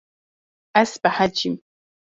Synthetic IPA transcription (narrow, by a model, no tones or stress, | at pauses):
ʔasbaħad͡ʒɪm